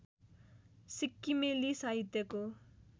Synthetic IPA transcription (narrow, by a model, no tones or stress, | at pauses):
sikːimelisaɦit̪jʌko